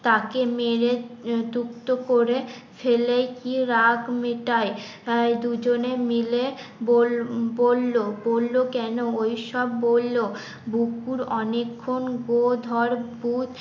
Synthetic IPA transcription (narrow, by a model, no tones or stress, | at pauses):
t̪akemeɾed͡ʒ̪ukt̪okoɾefʰelejkiɾaɡmeʈajad̪ud͡ʑonemilebolbolːobolːokɛnoojʃɔbːolːo | bukuɾɔnekʰːonɡod̪ʱɔɾbud̪